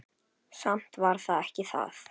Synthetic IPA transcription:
sam̥t̪vaɾ̥θaðɛhcɪθa̰θ

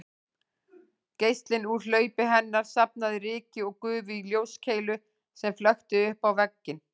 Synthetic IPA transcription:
cejst̪lɪnuɾ̥l̥œːɥpɪɦɛnːaɾ̥sap̚naðɪɾɪːcɪɔɣkʏːvʏiljoːwscʰeːjlʏ | sɛmflœxt̪ɪʏhpawvɛcːɪn

